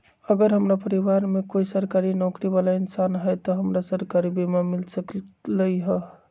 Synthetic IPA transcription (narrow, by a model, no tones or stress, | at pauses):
əɡəɾɦəmɾapəɾibaɾmekoisəɾkaɾinɔkɾiβalainsanɦəjt̪ɔɦəmɾasəɾkaɾibimamilsəkləjɦə